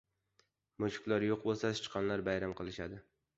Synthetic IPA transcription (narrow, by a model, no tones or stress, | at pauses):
mʊʃɪ̥kʲlaɾjoq̚bolˠsasɪ̥t͡ʃqʰɑnlaɾbajɾamqʰɨlˠɪʃad̪ɪ